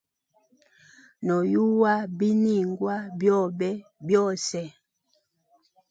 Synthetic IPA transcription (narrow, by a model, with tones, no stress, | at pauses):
nɔ˨ju˦wa˦bi˦ni˦˨ŋɡwa˦bjɔ˦˨bɛ˦bjɔ˦˨sɛ˨